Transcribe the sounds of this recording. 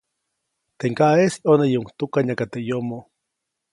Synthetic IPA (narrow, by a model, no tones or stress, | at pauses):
t̪eŋkaʔesiʔonejeuŋt̪ukaɲakat̪eʔjomo